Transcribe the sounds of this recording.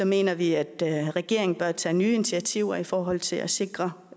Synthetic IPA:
sɒ̽me̝̰ːnɐʋiæd̥ʁɛɡ̥e̝ɐe̝ŋn̩b̥ɶɐt͡sʰɛ̰ːnyːe̝nit͡sʰiæt͡sʰiʊɐifɒːɦɒ̽l̰t͡sʰe̝læse̝ɡ̥ʁɐ

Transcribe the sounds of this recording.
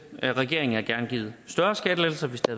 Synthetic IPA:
ʁɛɡ̥e̝ɐe̝ŋn̩æɡ̥æɐnɡ̥ḭːð̩ˠsd̥ɶɐsɡ̥æd̥əlel̩sɐʋe̝sd̥eɐ

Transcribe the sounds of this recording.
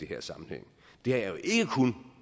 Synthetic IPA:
e̝ɦɛɐ̰sɑ̈mn̩hḛŋ̰ | d̥e̝hɑ̈jɑjo̝ʔe̝ɡ̥əkʰun

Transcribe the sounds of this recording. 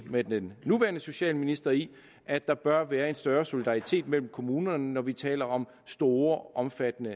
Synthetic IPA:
medenːuʋæːɐnəso̝ɕɛ̰ːlminisd̥ɐi | ʔæ̥ɑ̈b̥ɶɐʋæːɐe̝nsd̥ɶːɐso̝lid̥ɑ̈ʁit͡sʰe̝̰ːd̥mel̰m̩kʰo̝muːnɐnnɒʋit͡sʰɛ̰ːlɐɒ̽m | sd̥o̝ːɐʔɒ̽mfæd̥ənə

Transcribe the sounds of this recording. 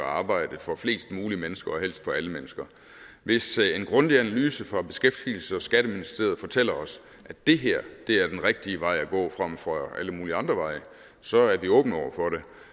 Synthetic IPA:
ɑ̈ːb̥ɑ̈ɪ̰d̥əfɒ̽fle̝̰ːsd̥muːlimenəsɡ̥ɐɒ̽ɦel̰sd̥fɒ̽æləmenəsɡ̥ɐ | ʋe̝senɡ̥ʁɔ̽nd̥iænælyːsəfʁɑ̈b̥e̝sɡ̥efd̥iːl̩səɒ̽sɡ̥æɾ̥əminisd̥e̝ɐð̩ˠfɒ̽t͡sʰel̰ɐɒ̽s | ʔæd̥e̝ɦeɐ̰d̥e̝æɐd̥enʁeɡ̥̚d̥iəʋɑ̈ɪ̰æɡ̥ɔ̰̽ːfʁɑm̰fʁɑʔæləmuːliɑ̈nd̥ʁɐʋɑ̈ɪ̰ə | sɒ̽æɐʋiɔ̽ːb̥n̩ɒʊ̰ɐfɒ̽ɾe̝

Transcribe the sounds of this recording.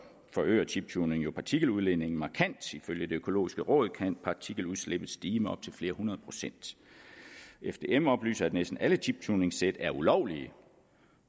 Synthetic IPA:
fɒ̽ø̰ːɐt͡sʰib̥̚t͡sʰune̝ŋjo̝pʰɑ̈t͡sʰiɡ̥l̩uðˠlene̝ŋn̩mɑ̈kʰæn̰d̥iføljəd̥e̝økʰo̝lo̝̰ːisɡ̥əʁɔ̰̽ːð̞̩ˠkʰæn̰pʰɑ̈t͡sʰiɡ̥l̩uð̩ˠsleb̥ð̩ˠsd̥iːməɒ̽b̥̚t͡sʰe̝lfle̝ːɐhunɐð̩ˠpʰʁosen̰d̥ | efd̥e̝ːemɒ̽b̥ly̰ːsɐæd̥nesd̥n̩ælət͡sʰib̥̚t͡sʰune̝ŋsed̥æɐulɒʊ̰liə

